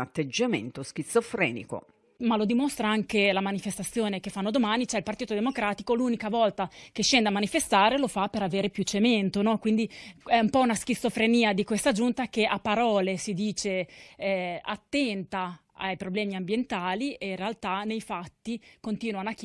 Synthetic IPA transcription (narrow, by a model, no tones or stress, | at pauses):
at̪ːed͡ʒːamḛnt̪osk̟it̪sːofɾɛ̰ːnḭko̰ | malod̪imost̪ɾaaŋkelamanifest̪at̪sːjoːnekefːanːod̪omaːnit͡ʃɛilpart̪iːt̪od̪emokɾaːt̪ikolunikavɔlt̪ak̟eʃːend̪amanifest̪aːɾelofapeɾaveːɾepjut͡ʃːement̪onɔkwind̪iɛumpɔunaskit̪sːofɾeniːad̪ikwest̪ad͡ʒunt̪akeapːaɾɔːlesid̪iːt͡ʃe | a̰t̪ːɛnt̪a | a̰jpɾoblɛːmiambjent̪aːlieinrealt̪anejfat̪ːikont̪iːnwanoakː